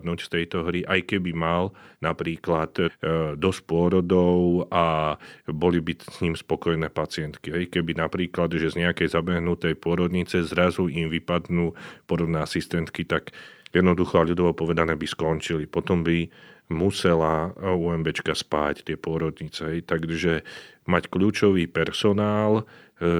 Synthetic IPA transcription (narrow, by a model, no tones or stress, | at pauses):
d̪nuːcft̪ɛjt̪ɔɦɾiʔajkɛbimalnapɾiːklat̪d̪ɔs̚pʊɔɾɔd̪ɔʊa | bɔlibisɲiːmspɔkɔjnɛːpat͡sɪɛnt̪kiɦɛjkɛbinapɾiːklad̪ʒɛzɲɛakɛjzabɛɦnut̪ɛjpʊɔɾɔd̪ɲit͡sɛzɾazuimʋipad̪nuːpʊɔɾɔd̪nɛːasist̪ɛnt̪kit̪akjɛd̪nɔd̪uxɔaʎud̪ɔʋɔpɔʋɛd̪anɛːbiskɔnt͡ʃilipɔt̪ɔmbimusɛlauɛmbɛt͡ʃkaspa̰ːct̪ɪɛpʊɔɾɔd̪ɲit͡sɛɦɛjt̪aɡʒɛmacklʎuːt͡ʃɔʋiːpɛɾsɔnaːl